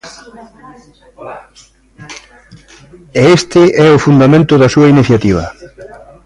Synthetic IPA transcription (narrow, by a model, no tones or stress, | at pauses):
ɛest̪ɪʔɛʊfund̪amẽnt̪ʊðɐsuɐiniθjat̪iβ̞ɐ̰